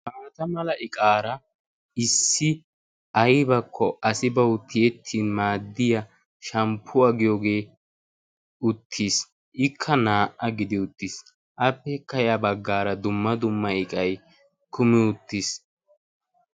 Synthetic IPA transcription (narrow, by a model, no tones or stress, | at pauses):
maːɾɐt̪ɐmɐlɐʔɪkʼaːɾɐ | ɪsːɪ | ʔɐjbɐkʰːɔʔɐsɪbɐwʊt̪ːɪjɛt̪ʰːiːnmaːd̪ːɪjɐ | ʃɐmpʰːʊɐɡɪjoːɡe̞ː | ʊt̪ʰːis | ʔɪkʰːɐnaːʔːɐɡɪd̪ɪʊt̪ːɪs | ʔɐpːɛkːɐjabɐɡːaːɾɐd̪ʊmːɐd̪ʊmːɐɪkʼɐj | kʊmɪʊt̪ːis